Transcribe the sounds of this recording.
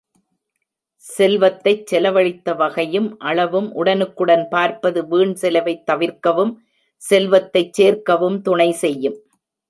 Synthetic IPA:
sɛlʋɐt̪ːɐɪt͡ʃsɛlɐʋɐɭɪt̪ːɐʋɐɣɐjɯmʔɐɭɐʋɯmʔʊɽɐnɯkːɯɽɐnpaːɾpɐðɯʋiːɳsɛlɐʋɐɪt̪ːɐʋɪɾkɐʋɯm | sɛlʋɐt̪ːɐɪt͡ʃt͡ʃːeːɾkɐʋɯmt̪ʊɳɐɪsɛjːɯm

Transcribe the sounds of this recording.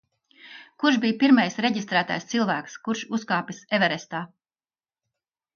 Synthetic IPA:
kuɾʃbiːjpiɾmajsɾeɟist̪ɾæːt̪a̰jst̪silˠvæːkskuɾʃuskaːpʲisɛvɛɾɛst̪aː

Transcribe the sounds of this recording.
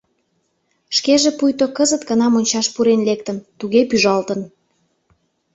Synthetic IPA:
ʃkeʒepujt̪okəzət̪kənɑmonʲt͡ɕɑʃpuɾenlekt̪ə̆nt̪uɣepyʒɑlt̪ə̆n

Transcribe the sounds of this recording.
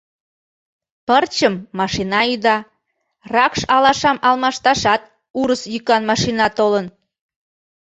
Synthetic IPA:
pərt͡ɕəmːɑʃinɑyd̪ɑ | rɑkʃɑlɑʃɑmʔɑlmɑʃt̪ɑʃɑt̪̚ | uɾəsjykɑnmɑʃinɑt̪olən

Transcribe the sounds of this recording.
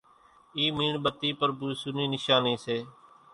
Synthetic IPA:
iːmiːɳɓət̪iːpəɾbuːisuniːnɪʃaːnĩːseː

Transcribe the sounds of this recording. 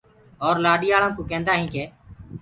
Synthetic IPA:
ɔːɾlaːɗiːaːɭãːkõːkẽːnd̪aːɦĩːkeː

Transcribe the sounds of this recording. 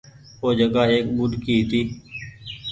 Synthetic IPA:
oːd͡ʒəɡaːɦeːk̚bʊɖ̪ʱkiːt̪iː

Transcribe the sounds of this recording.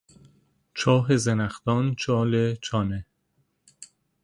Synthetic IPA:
t͡ʃʰɒːɦezenæxt̪ɒːnt͡ʃʰɒːlet͡ʃʰɒːne

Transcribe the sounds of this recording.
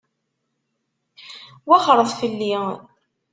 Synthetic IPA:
wæχɾˤəðˤfəlːi

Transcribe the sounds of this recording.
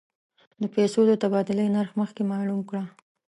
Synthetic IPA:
d̪əpɛsod̪ət̪abɑd̪ɪləjnaɾxməxkemɑlumkɽa

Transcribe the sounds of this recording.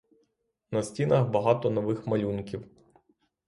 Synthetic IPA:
nɐsʲtʲinɐxbɐɦɑt̪ɔnɔʋɪxmɐlʲunkʲiw

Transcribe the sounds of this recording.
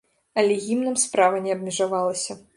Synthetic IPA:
ɐlʲɛɣʲimnɐmspɾavɐnʲɛɐbmʲɛʐavalˠɐsʲɐ

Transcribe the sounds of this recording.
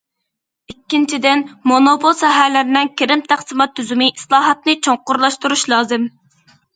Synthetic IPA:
ikʲːint͡ʃʰid̪ɪnmonopʰolˠsɛɦælɪɾɪnɪŋkʲʰeɾɪmt̪ʰæχsɨmɑt̪ʰːyzymɪʔislˠɑːɦɑt̪̚nɨt͡ʃʰoŋqʊɾlˠɑʃt̪uɾuʃlˠɑːzɨm

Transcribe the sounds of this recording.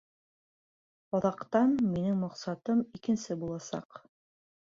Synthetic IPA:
ɒðɑqt̪ɑnminɘŋmɑqsɑt̪ɤmikɘ̆nsɘbulˠɑsɑ̰q

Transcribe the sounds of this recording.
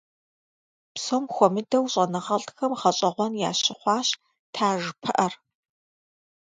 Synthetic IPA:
psomxʷɔmɨdɐwɕʼɐnɐʁɐɮtxɐmʁɐɕʼɐʁʷɔnja̰ːɕɪχʷɑːɕ | tʰaːʒpʰɨʔɐr

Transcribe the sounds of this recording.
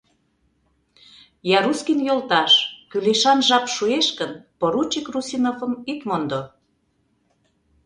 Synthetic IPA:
jɑɾuskinjolt̪ɑʃkyleʃɑnʒɑpʃueʃkənpoɾut͡ɕikrusinofə̆mit̪mond̪o

